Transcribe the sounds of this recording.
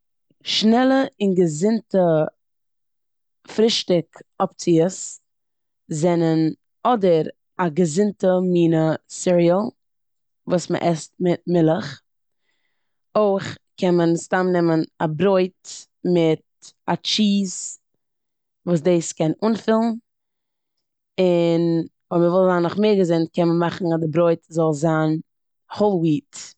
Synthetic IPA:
ʃnɛlˠəɪnɡəzɪntə | fɾɪʃtɪkɔp̚t͡siəs | zɛnən | ɔdəɾ | aɡəzɪntəmiːnəsɪɾiəlˠ | vuːsmə̰ʔɛstmɪt̚mɪlˠəχ | oɪχkʰɛnmənstamnɛmənabɾoɪt | mɪt̚ | at͡ʃiːs | vuːs̬deːskɛnuːnfɪlˠn̩ | ɪn | vɔməvɪlˠzaːnːʊχmeːɾɡəzɪnt̚kɛnməmaχn̩adɪbɾɔɪtzɔlˠzaːn | holˠwiːt

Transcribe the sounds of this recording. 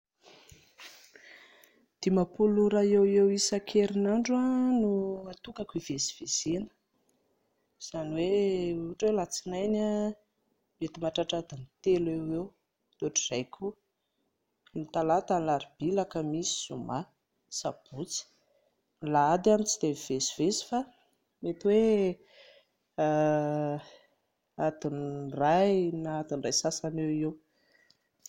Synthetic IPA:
d̪̥imapuluɾaewewisakʰeɾinaɳɖ͡ʐanuat̪ukakuivesi̥v̥ezenə̥ | z̥aniweuʈ͡ʂwewlat͡sinajna | met̪imaʈ͡ʂaʈ͡ʂad̪anit̪elewew | t̪oʈ͡ʂirajkʲʰu | nit̪alat̪anlaɾibilakəmisi̥z̥uma | sab̥ut͡si̥ | laad̪anit͡sid̪̥evvesi̥vesi̥fa | met̪we | ad̪inrajnaad̪inrajsasanewew

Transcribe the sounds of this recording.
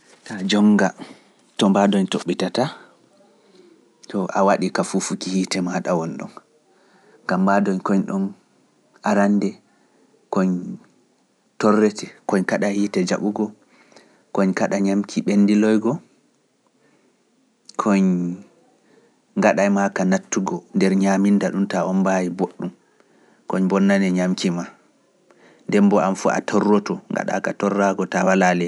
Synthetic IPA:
tad͡ʒɔŋɡa | tɔmbadɔɲtoɓːitata | tɔʔawaɗikafufukihitɛmaɗawɔnɗɔ̰m | ɡamːbadɔɲkɔɲɗɔm | ʔaɾandɛ | kɔɲ | tɔrːɛtɛkɔɲkaɗajhitɛd͡ʒa̰ɓuɡɔ | kɔɲkaɗaɲamkʰiɓendilɔjɡɔ | kʰɔɲ | ŋɡaɗajmakanatːuɡɔndɛɾɲamindaɗumtaɔnbajiboɗːum | kɔɲbɔnːanɛɲamkima | ndɛmbɔa̰mfua̰tʰɔrːɔtɔŋɡa̰ɗa̰katɔrːaɡɔtawalalɛ

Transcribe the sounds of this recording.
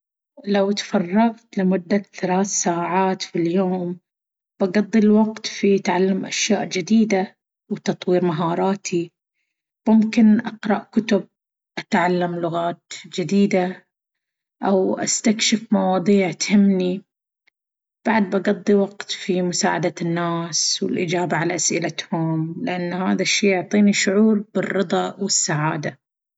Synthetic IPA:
lawt̪fɑrˤːɑɣt̪lɪmʊd̪ːaθalaːθsaːʕaːt̪filjoːm | b̥ɑɡɑd̪ˤːilwɑɡt̪fit̪ʕalːamʔaʃjaːʔd͡ʒɪd̪iːd̪a | wt̪ɑt̪ˤwiːɾmaɦɑːɾˤɑːt̪ʰi | mʊmkɪnʔɑqɾˤɑʔkʊt̪ʊb̚ | ʔat̪ʕalːamlʊɣaːt̪d͡ʒɪd̪iːd̪a | ʔawʔa̰st̪akʃɪfmɑwɑːd̪ˤiːʕt̪hɪmːni | b̥aʕd̪̚bɑɡɑd̪ˤːiwɑɡt̪fimʊsa̰ːʕad̪anːaːswɪ̰lʔɪ̰d͡ʒaːbaʕalaʔasʔɪlat̪hʊmlɪʔanːhaːðaʃːiːjʊʕt̪ˤiːniʃʊʕuːɾbɪrːɨd̪ˤɑwɪsːaʕaːd̪a

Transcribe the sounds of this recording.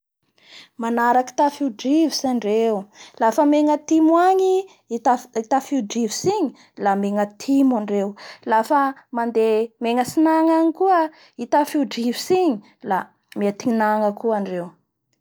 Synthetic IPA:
manaɾaki̥t̪afiuɖ͡ʐivisaɳɖ͡ʐewulafəmeŋət̪imwaɲi | t̪ait̪afiuɖ͡ʐivisiɲi | lameŋət̪ʰimaɳɖ͡ʐewlafəmand̪emeŋəsinaŋaɲikuə | it̪afiuɖ͡ʐivisiɲi | la | met̪iinaŋəkuaɳɖ͡ʐew

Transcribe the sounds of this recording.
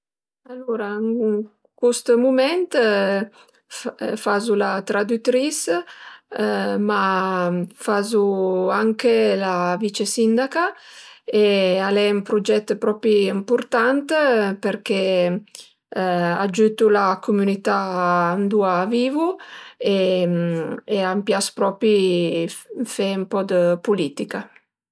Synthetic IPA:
alːoɾaŋ | kwust̪mumɛnt̪ | fazulat̪ɾad̪ut̪ɾis | ma | fazuaŋkelavit͡ʃesind̪aka | ealɛumpɾud͡ʒɛt̪ːpɾɔpiimpuɾt̪ant̪peɾke | ad͡ʒyt̪ulakumunit̪and̪uaːviːvue | eampjaspɾɔpi | fɛumpɔd̪əpulit̪ika

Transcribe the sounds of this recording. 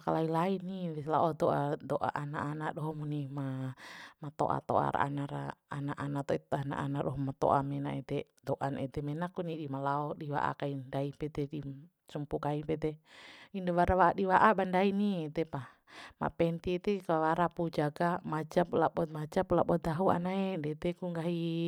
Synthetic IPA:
kalailainiɛlaɔd̪ɔʔad̪ɔʔa̰ʔanaʔːnaʔɗɔɦɔmunima | mat̪ɔ̰ʔa̰t̪ɔ̰ʔa̰ɾa̰a̰naɾaːnaʔanat̪ɔɛana̰ʔa̰naʔɗɔɦɔmat̪ɔ̰ʔamɛnaɛt̪ɛ | d̪ɔʔanɛt̪ɛmɛnakunidimalaɔdiwa̰ʔa̰kaindaipɛd̪ɛdi | sumpukaipɛt̪ɛindawaɾawaʔaɗiwaʔabandainiɛt̪ɛpa | ma̰pɛnt̪iɛt̪ɛkawaɾapud͡ʒaɡamad͡ʒaplaɓɔt̪̚mad͡ʒaplabɔd̪aɦua̰naedɛt̪ɛkuŋɡaɦi

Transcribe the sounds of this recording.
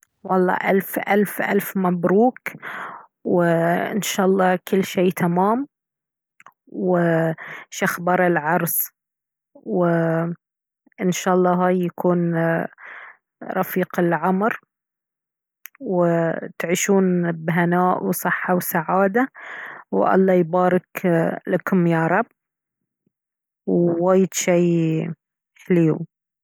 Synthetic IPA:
wɑlˤːɑ̰ːʔalfʔa̰lfʔa̰lfmabɾuːk | wɪɪnʃaːʔɑlˤːɑːkɪlːʃeːt̪ʰamaːm | wɪʃaxbɑɾˤɪlʕɑɾˤs | wɪ | ʔɪnʃaːʔɑlˤːɑːɦaːjːakuːn | ɾˤɑfiːqɪlʕamɾ | wɪt̪ʕiʃuːnbɦanaːʔwsˤɨħːawsaʕaːd̪awʔɑ̰lˤːɑːjbaːɾɪklakʊmjaɾˤɑb̚ː | wwaːjːɪd̪ʃiː | ħliːw

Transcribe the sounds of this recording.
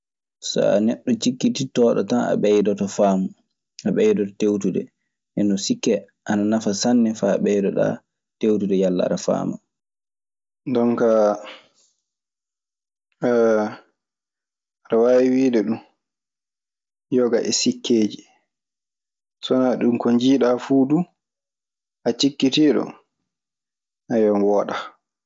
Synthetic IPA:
sɔ̰a̰nɛɗːɔt͡ʃikːititɔːɗɔ̰tana̰ɓɛjdɔtɔfaːma | aɓɛjdɔtɔtewtudɛ̰ | ʔɛnɔsikːɛ | ʔananafasanːɛfaɓɛjdɔɗa̰ | tewtudɛjalːa̰ɾafa̰ːma̰ | ndɔnka | ɾawawiwiɗɛɗum | jɔɡaʔɛsikʰːeːd͡ʒi | sɔnaɗumkɔɲd͡ʒiːɗafuːdu | ʔat͡ʃikːitiɗɔ̰ | ʔajɔnwɔːɗa

